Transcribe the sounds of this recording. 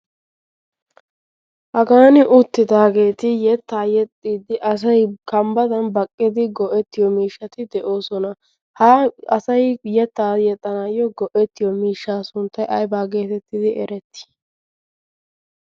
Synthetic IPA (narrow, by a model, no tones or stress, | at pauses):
hɐɡaːnɪʔʊt̪ːɪd̪aːɡe̞ːt̪ɪjɛt̪ːaːjɛt̪ʼːiːd̪ɪʔɐs̬ɐjkɐmbɐd̪ɐnbɐkʼːɪd̪ɪɡɔʔɛt̪ːɪjɔmiːʃːɐt̪ɪd̪ɛʔo̞ːsɔnɐ | hɐɐsɐjjɛt̪ːaːjɛt̪ʼːɐnaːjɔɡɔʔɛt̪ːɪjɔmiːʃːaːsʊnt̪ːɐjʔɐjbaːɡe̞ːt̪ɛt̪ːɪd̪ɪʔɛɾɛt̪ːɪ̥